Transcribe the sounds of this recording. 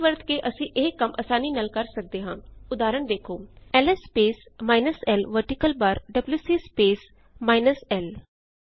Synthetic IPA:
ʋəɾt̪keːʔəsĩːʔeːkəmʔəsaːniːnəlkəɾsək̚d̪eːɦãːʊd̪aːɾəɳd̪eːkʰoːɛːlɛspeːsmaːɪnəsɛːlʋəɾʈikəlbaɾɖəbljuːsiːspeːs | maːɪnəsɛːl

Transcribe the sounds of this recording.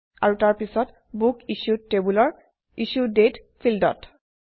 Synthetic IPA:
a̰ɹutaɹpisɔt | bukisutebulɔɹ | isudet | pʰildɔ̰t

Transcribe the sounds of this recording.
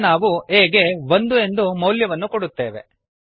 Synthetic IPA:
naːʋueːɡe̞ʋond̪ue̞nd̪umɐwljɐʋɐnːukoɽut̪ːe̞ːʋe̞̰

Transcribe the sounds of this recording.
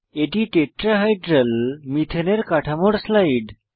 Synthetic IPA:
eʈiːʈeʈɾaɦajɖɾəlmit̪ʰəneɾkaʈʰamoɽslaiɖ

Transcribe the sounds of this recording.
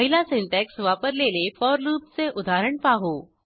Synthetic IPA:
məɦilasinʈɛksʋapəɾlelefɔɾluːpt͡seʔud̪ʱaɾəɳpaɦo

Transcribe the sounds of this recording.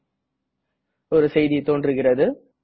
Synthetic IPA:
ɔɾɯsɛjðit̪oːndrɯɣɪrɐðɯ

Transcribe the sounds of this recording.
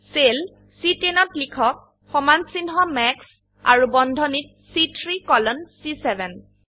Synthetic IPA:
sel | sitenɔtlikʰɔk̚ | xɔmansinɦɔmɛks | a̰ɹubɔndʱɔnit̚sitʰɹikɔlɔnsisɛbɛn

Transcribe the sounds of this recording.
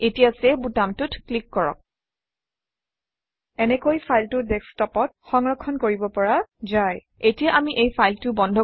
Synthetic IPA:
etijasɛbutamtʊtklikːɔɹɔ̰k̚ | ɛnɛkojpʰajltʊdɛkstɔpɔt̚xɔŋɹɔkʰːɔnkoɹibɔpɔɹazaj | etijaʔamiʔejpʰajltʊbɔndʱɔ

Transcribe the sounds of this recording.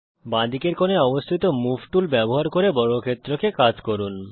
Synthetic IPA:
bãd̪ikeɾkoneɔbost̪ʰit̪omubʈulbɛboɦaɾkoɾebɔɽokʰet̪ːɾokekad͡ʑkoɾun

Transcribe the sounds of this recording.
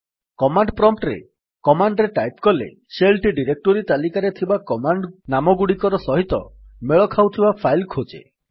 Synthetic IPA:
kɔmaɳɖpɾɔmp̚ʈɾḛ | kɔmaɳɖɾeʈajpkɔlḛ | selʈiɖiɾek̚ʈoɾit̪alikaɾet̪ʰibakɔmaɳɖnamɔɡuɽikɔɾɔsɔɦit̪ɔ | meɭɔkʰawt̪ʰibapʰajlkʰod͡ʒḛ

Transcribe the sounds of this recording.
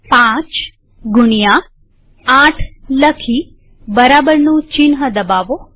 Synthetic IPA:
pãt͡ʃ | ɡʊɳija | ãʈʰləkʰi | bəɾabəɾnũt͡ʃɪnɦəd̪əbaʋo

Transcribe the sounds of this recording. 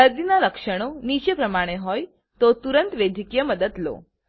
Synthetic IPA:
əɾd̪inaləkʂəɽ̃onit͡ɕəpɾəmaɽ̃eɦɔj | t̪ot̪uɾənt̪ʋed̪ʱikjəməd̪ət̪lo̰

